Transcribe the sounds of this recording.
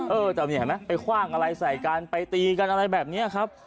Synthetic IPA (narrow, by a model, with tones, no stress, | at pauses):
ʔɤː˧t̪ɛː˨˩mi˧˩a˨˦jma˦˥jpa˧jkʰwaː˥˩ŋʔa˧ɾa˧jsa˨˩jkaː˧npa˧jt̪iː˧ka˧nʔa˧ɾa˧jbɛː˨˩p̚niː˦˥˨kʰa˦˥p̚